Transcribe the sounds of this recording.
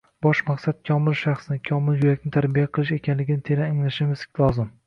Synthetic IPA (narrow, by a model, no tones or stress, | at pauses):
b̥ɒʃmaqsat̪̚kʰɒmɪlʃaχsnɪkʰɒmɪljʊɾakʲnɪt̪ʰaɾbijaqʰɨlˠɪʃe̞kʲʰanlɪɡʲɪnɪt̪ʰe̞ɾaɪŋlaʃɪmɪz̥lˠɒzɪm